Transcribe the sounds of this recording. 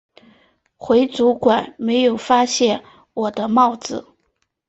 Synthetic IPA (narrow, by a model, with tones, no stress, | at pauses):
xwe˧˥ɪt͡su˧˥kwa˨˩nme˧˥ɪjo˨˩ʊfa˥ɕjɛ˥˩n | wɔ˨˩d̪ə˦mɑ˥˩ʊt͡sɹ̩˨˩